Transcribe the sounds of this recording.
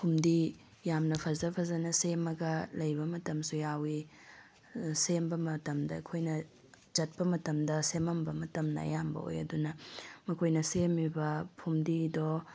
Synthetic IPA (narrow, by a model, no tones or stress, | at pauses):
pʰumdi | jamnɐpʰɐzɐpʰɐzɐnɐsemːɐɡɐlɐjbɐmɐtɐmsujawi | sembɐmɐtɐmdɐɐkʰojnɐ | d͡ʒɐt̚pɐmɐtɐmdɐsemɐmbɐmɐtɐmnɐ̰jambɐ̰o̰jɐ̰dunɐmɐkʰojnɐsemibɐpʰumdido